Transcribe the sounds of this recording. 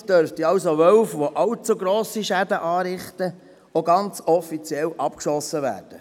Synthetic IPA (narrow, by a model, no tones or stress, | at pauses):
d̥œɾftiɑlsoʋœwfʋoʔɑlt͡suɡɾoːsiʃædəʔɑːɾɪχtə | oɡɑnt͡sɔfit͡siɛlʔɑp̚kʃɔsːəʋæ̰ːɾd̥ə